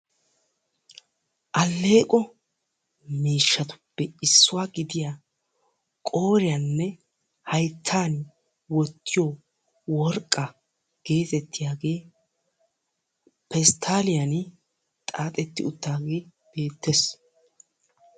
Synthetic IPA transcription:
ʔɐlːe̞ːkʼɔ | miːʃːɐt̪ʊ̥pːɛɪsːʊwaːɡɪd̪ɪjaː | kʼo̞ːɾɪjanːɛ | hɐjt̪ʰːaːn | wɔt̪ːɪjo | wɔɾkʼːɐ | ɡ̥e̞ːt̪ɛt̪ʰːɪjaːɡe̞ː | pɛst̪ʰaːlɪjɐn | t̪ʼaːt̪ʼɛt̪ːɪ̰ʊt̪ːaːɡe̞ː | b̥e̞ːt̪ːes

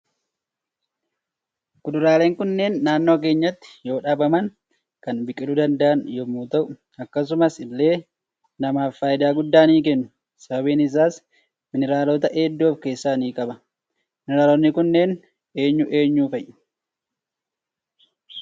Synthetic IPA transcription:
ɡʊd̪ʊɾaːle̞ːŋkʊnːe̞ːnːaːnːo̞ːk̬e̞ːɲːɐt̪ːɪ̥jo̞ːᶑaːbɐmɐn | kɐnbɪkʼːɪᶑʊd̪ɐnd̪ɐʔɐnjɔmːuːt̪ɐʔʊʊ | ɐkːɐs̬ʊmɐsɪlːe̞ː | nɐmaːfːaːjɪd̪aːɡʊd̪ːaːniːk̬ɛnːʊ̥ | sɐbɐbiːnɪs̬aːs | mɪnɪɾaːlot̪ɐʔeːd̪ːo̞ːfke̞ːsːaːniːkʼɐbɐ | mɪnɪɾaːlonːɪkʊnːe̞ːn | e̞ːɲːʊʔe̞ːɲːuːfɐjʔːʊ̥

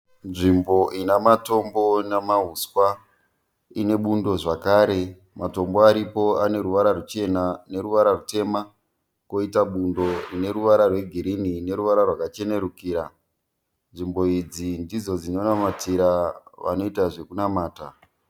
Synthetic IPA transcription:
nʐimbo̞ʔinamato̞mbo̞namaɦuskwa | ine̞ɓundo̞ʐakaːɾe̞ | mato̞mboaɾipo̞ane̞ɾuʋaɾarut͡ʃe̞nane̞ɾuʋaɾarute̞ma | ko̞itaɓundo̞ne̞ɾuʋaɾarwe̞ɡʱiɾinine̞ɾuʋaɾarwakat͡ʃe̞ne̞ɾukiːɾa | nʐimbo̞id͡zindid͡zo̞d͡zino̞namatiɾaʋa̰no̞itaʐe̞kunamaːta

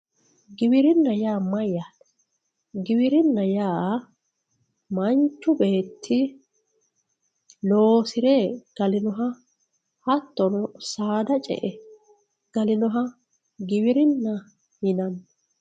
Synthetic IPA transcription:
ɡɪbɪɾɪnːɐjaːmɐjːaːd | ɡɪwɪɾɪnːɐjaː | mɐnt͡ʃːʊbe̞ːt̪ʰːɪ | loːsɪɾɛɡ̥ɐlɪnɔɦɐ | hɐt̪ːɔnɔsaːd̪ɐt͡ʃʼɛ̰ʔɛ | ɡ̥ɐlɪnɔɦɐ | ɡɪβɪɾɪnːɐ | hɪnɐnː

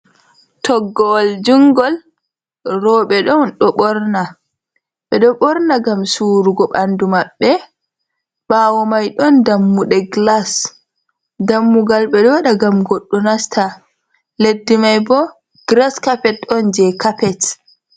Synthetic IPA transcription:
tʰɔɡːɔld͡ʒuŋɡɔl | ɾɔɓɛɗɔnɗɔɓɔɾna | ɓɛɗɔɓɔɾnaɡamsuːɾuɡɔɓandumaɓːɛ | ɓawɔmajɗɔndamːuɗɛɡlas | damːuɡalɓɛɗɔwaɗaɡamɡoɗːunastʰa | ledːimajbɔ | ɡ̥ɾaskapɛtɗɔnd͡ʒɛkapɛt

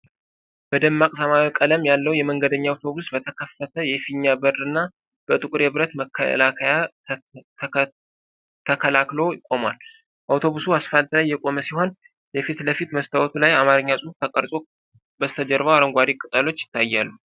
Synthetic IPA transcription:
b̥əd̪əmːakʼsəmaβkʼələmjalːəwjɛməŋɡəd̪əɲːaːwt̪ʰo̞βusbət̪ʰəkʰəfːət̪ʰəjɛfiɲːabərɨnːa | b̥ət̪ʼɨkʼɾeβɾət̪məkʰːə̰lakʰəja | t̪ʰəkʰəlaklo̞jɪkʼːo̞mwal | ʔawt̪ʰo̞βusuasfalt̪lajːɛkʼo̞məsiho̞n | jɛfit̪ləfit̪məst̪ʰawɔt̪ʰulajamaɾɨɲːasʼuhut̪ʰəkʼəɾsʼo | bəst̪ʰəd͡ʒəɾβawaɾəŋɡʷaɾikʼɨt̪ʼalo̞t͡ʃːjɪ̥t̪ʰːajːalːu

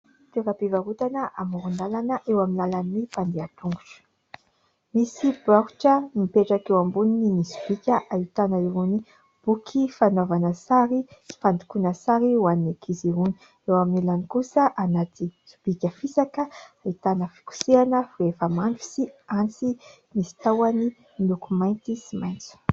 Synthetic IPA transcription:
t̪eɾapivaɾut̪anəʔamuɾunalanəʔewaminalannipand̪eat̪uŋɡu̥ʈ͡ʂə̥ | misibaɦu̥ʈ͡ʂənipeʈ͡ʂakewambunininisu̥b̥ikʲəʔait̪anəiɾuni | b̥ukʰifanovanəsaɾifand̪i̥kunəsaɾiwaninekʰiziɾuni̥ | ewamnilanikusəʔanat̪izub̥ikʲəfisakəait̪anəfi̥ku̥seanəvuefəmanʈ͡ʂu̥siant͡si | misi̥t̪awani | inukumajnt̪isimajnt͡su̥

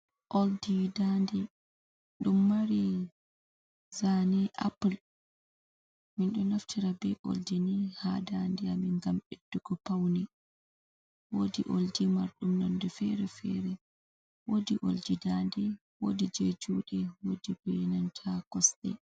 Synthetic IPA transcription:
ʔoldidandɛ | ɗumːaɾi | zanɛʔapul | minɗɔnaftʰiɾabɛʔo̰ldinihadandɛamiŋɡamʔed̥ːuɡɔpawni | wodiʔoldimaɾɗumnandufɛɾɛfɛ̰ɾɛ | wodiʔo̰ldidandɛ | wodid͡ʒed͡ʒuːɗɛwodibɛnantʰakɔsɗɛ̰

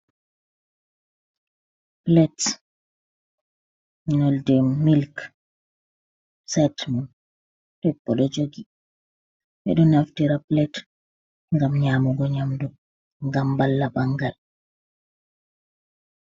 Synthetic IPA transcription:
plɛt | nɔldɛmilk | sɛtmɔn | tɛpːɔɗɔd͡ʒoɡi | ʔɛ̰ɗɔnaftiɾaplɛt | ŋɡamɲaːmuɡɔɲamdu | ŋɡambalːabaŋɡal

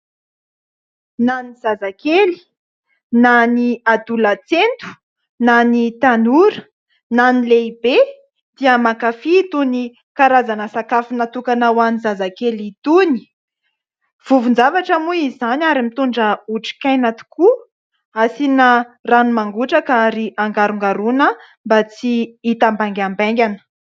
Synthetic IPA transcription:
naniz̥azakeli̥ | naniad̪ulat͡sent̪u̥ | nanit̪anuɾə̥ | nanileibe | d̪̥iəmakafit̪uni | kaɾazanəsakafunat̪ukanawanizazakelit̪uni̥ | v̥uvund͡ʒavaʈ͡ʂamuizanaɾimit̪uɳɖ͡ʐəuʈ͡ʂi̥kajnat̪u̥ku | asinaranumaŋɡuʈ͡ʂakaɾiʔaŋɡaɾuŋɡaɾunə | mbat͡siit̪ambaŋɡʲambaŋɡʲanə̥

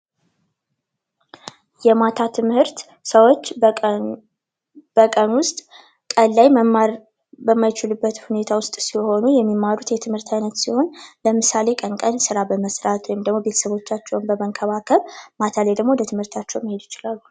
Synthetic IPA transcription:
jɛmat̪ʰat̪ʰɨmhɨɾt̪ | səwo̞t͡ʃː | b̥əkʼənwʊst̪ʼ | kʼəlːaj | bəmːajt͡ʃɪlubːət̪hune̞t̪ʰawʊst̪ʼsiho̞nujɛmːimːaɾut̪jɛt̪ʰɨmhɨɾt̪ʰajnət̪siho̞nləmɨsale̞kʼənkʼənsɨɾabəməsɾat̪ʼwɔjɪmd̪əɡmo̞be̞t̪ʰə̥səβo̞t͡ʃːat͡ʃːɛwnbəməŋkʰəβakʰəβmat̪ʰalejd̪əɡmo̞lət̪ʰɨmhɨɾt̪ʰat͡ʃːɛwmihe̞d̪jɪt͡ʃɪlalːu

